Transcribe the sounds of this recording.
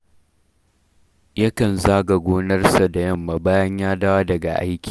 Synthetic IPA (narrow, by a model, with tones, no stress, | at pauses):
jɐ˦kɐ˨nzaː˦ɡɐ˨ɡʷoː˦nɐ˦rsa˨da˨jɐ˦˨mːa˨baː˦jɐ˦ɲjaː˦daː˦wa˦dɐ˨ɡa̰˨ʔa̰˦jkʲi̥ː˨